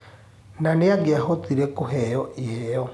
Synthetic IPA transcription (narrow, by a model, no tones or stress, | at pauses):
naneaɡeahotiɾɛkoɦɛjɔʔiɛjɔ